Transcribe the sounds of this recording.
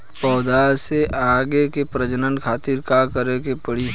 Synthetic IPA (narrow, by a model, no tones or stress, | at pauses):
pɔːd̪aːseʔaːɡekepɾəd͡ʒənənkʰaːt̪iɾkakəɾekepəɽi